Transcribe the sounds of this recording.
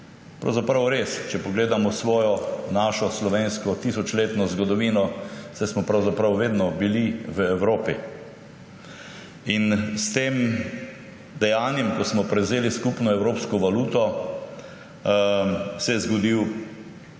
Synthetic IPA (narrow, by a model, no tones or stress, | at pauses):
pɾa̰wzapɾawɾest͡ʃɛpɔɡleːd̪amɔsʋɔːjɔnaːʃɔslɔʋenskɔt̪isɔt͡ʃleːt̪nɔzɡɔd̪ɔʋinɔsɛjsmɔpɾawzapɾawʋeːd̪nɔbiliʋəɛwɾoːpḭ | inst̪eːm | d̪ɛjaːnjɛmkɔsmɔpɾɛwzeːliskupnɔɛwɾoːpskɔʋaluːt̪ɔ | sɛjɛzɡɔd̪iw